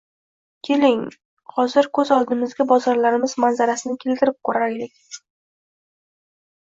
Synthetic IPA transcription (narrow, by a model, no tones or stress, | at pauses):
kʲʰe̞lɪŋ | hɒzɪɾkʰɵzɒlˠd̪ɪmɪzɡʲabɒzɒɾlaɾɪmɪzmanzaɾasɪnɪkʲʰe̞lt̪ɪɾɪp̚kʰɵɾaalɪkʲ